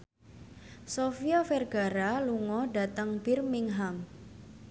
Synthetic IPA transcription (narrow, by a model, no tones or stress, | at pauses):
sofiafɛrɡ̥aɾaluŋɔɖa̤t̪əŋb̥ɪrmiŋɦam